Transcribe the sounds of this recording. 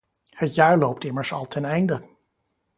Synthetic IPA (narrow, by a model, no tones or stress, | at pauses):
hətjaːɹlowp̚tɪməɹsɑ̰lˠtʰɛnɛjndə